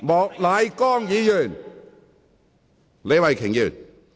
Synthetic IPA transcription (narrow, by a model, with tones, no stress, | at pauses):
mɔː˨k̚laː˨˧jkɔː˥˩ŋjiː˨˥jyː˨˩n | le˨˧jwa˨˩jkʰɪ˨˩ŋjyː˨˩n